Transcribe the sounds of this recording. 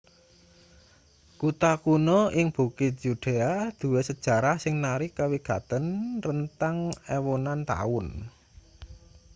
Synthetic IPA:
kut̪akunɔɪŋb̥ṳkɪt̪̚d͡ʒ̥uɖ̪̥e̤ad̪̥ṳwɛsəd̥ʒ̥a̤ɾahsɪŋnaɾɪkːawiɡ̥a̤t̪ənrənt̪aŋɛwonant̪a̰ʊn

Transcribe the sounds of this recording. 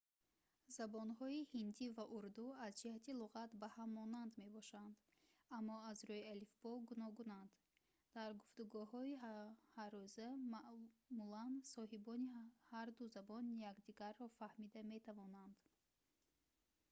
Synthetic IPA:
zabɔnhɔihind̪ivaʔuɾd̪uazd͡ʒihat̪ʰiluʁat̪bahamːɔnand̪me̞bɔʃand̪ | amːɔazɾɔialifbɔɡunɔɡunand̪̥ | d̪̥aɾɡuft̪uɡuɦɔihaɾɔzamaʔmulansɔɦibɔnihaɾd̪uzabɔnjaɡd̪iɡaɾːɔfahmid̪ame̞t̪ʰavɔnand̪

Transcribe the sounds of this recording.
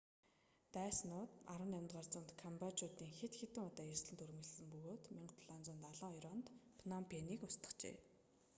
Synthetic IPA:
t̪æːsnʊːt̪aɾwə̆næmʲt̪ʁɔrt͡sə̆nt̪kʰampat͡ɕʊt̪iːŋxet̪xet̪ɘ̆ŋʊt̪ɔːjersɮɘ̆nt̪ɵɾmɘ̆ɮsɘ̆mpɵɣoːt̪meɴt̪ʰɮant͡sɔ̆nt̪aɮɔːɔjɾɔːnt̪pʰnampʰeniːkʊst̪ə̥̆χt͡ɕḛː

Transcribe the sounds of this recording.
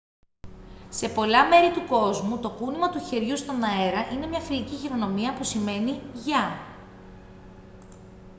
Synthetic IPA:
se̞po̞lɐme̞ɾit̪uko̞zmut̪o̞kunimɐt̪uçe̞ɾʝust̪o̞nɐe̞ɾɐʔine̞mɲɐfiliciçeɾo̞no̞miɐpusime̞niʝɐ

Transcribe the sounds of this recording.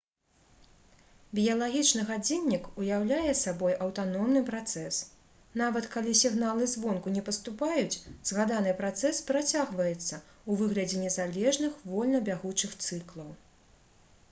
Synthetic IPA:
bʲijɐlˠaɣʲit͡ʂnɨɣad͡zʲinʲːikujawlʲajɛsabɔjʔɐwt̪anɔmnɨpɾat̪sɛs | navɐt̪kalʲisʲiɣnalˠɨzvɔnkunʲɛpɐst̪upajut͡sʲzɣad̪anɨpɾat̪sɛspɾat͡sʲaɣvɐjɛt̪sːɐ | uvɨɣlʲɐd͡zʲɛnʲɛzalʲɛʐnɨxvɔlʲnɐbʲaɣut͡ʂɨxt̪sɨklˠɐw

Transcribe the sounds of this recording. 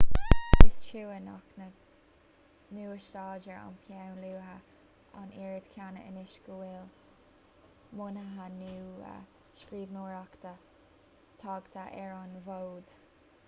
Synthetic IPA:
ɪst͡ʃʰuwəna̰knə | nuːəʃt̪ɑːd͡ʒəɹa̰mpʰjawnluːɦə | a̰niːɹəd̪kʰjanə̰ənɪʃɡəwɪl | mʊnəɦanuːə̰ | ʃkɾiːvnoːɹakt̪ʰə | t̪ʰɑɡt̪ʰəʔɛɹɑnvowd̪̥

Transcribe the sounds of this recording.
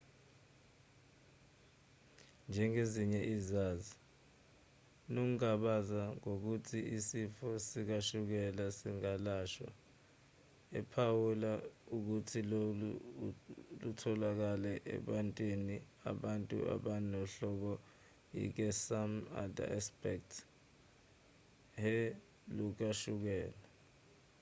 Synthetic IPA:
nd͡ʒʱɛŋeziɲɛʔizaːzi | nok̬ukaɓazaŋok̬utʰiisifɔsik̬aʃuk̬ɛlasiŋalaːʃwa̰ | ɛpʰawulauk̬utʰilolu | lutʰɔlak̬alɛʔɛ̰ɓantʼwini | a̰ɓantʼṵa̰ɓanɔɬɔk̬ɔ | jḭk̬ɛsama̰da̰ɛspɛk̚tʰ | he | luk̬aʃuk̬ɛːla

